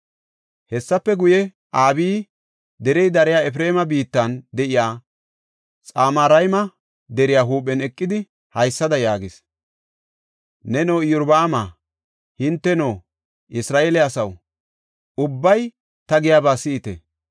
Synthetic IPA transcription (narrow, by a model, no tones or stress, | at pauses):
hɛsːɐpːɛɡʊjɛ | ʔaːbiː | d̪ɛɾɛjd̪ɐɾɛjaːɛfɾeːmɐbiːt̪ːɐnd̪ɛʔɪjaː | t͡sʼaːmaːɾɐjmɐ | d̪ɛɾɪjaːɦuːp̬ʼːɛnɛkʼːɪd̪ɪ | hɐjsːɐd̪ɐjaːɡɪs | nɛnoːjʊɾbaːmaː | hɪnt̪ːɛnoː | ʔɪsɾaːʔeːlɛɐsɐw | ʊbːɐj | t̪ɐɡɪjaːbaːsɪːt̪ɛ̰